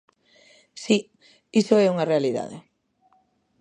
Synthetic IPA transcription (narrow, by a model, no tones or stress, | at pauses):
si | isoɛuŋɐrealiða̰ðɪ̰